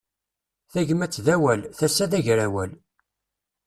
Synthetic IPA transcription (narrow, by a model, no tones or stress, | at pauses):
θæʝəmæt͡sːðæwælθæsːæðæʝɾæwæl